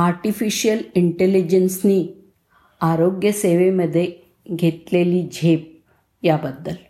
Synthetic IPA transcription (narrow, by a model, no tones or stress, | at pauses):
aɾʈifiɕijəliɳʈelid͡ʑənsniː | aɾoɡjəseʋeməd̪ʱːje | ɡʱet̪leliːd͡ʑʱep̚ | jabəd̪ːəl